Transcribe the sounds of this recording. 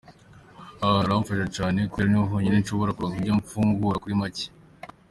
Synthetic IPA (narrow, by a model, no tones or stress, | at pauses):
aaɾamfaʃet͡ʃaːne̞kiɾaniɦoɲinenʃoβoɾakuɾoŋiɟaɱfuːŋɡuɾakuɾimaci̥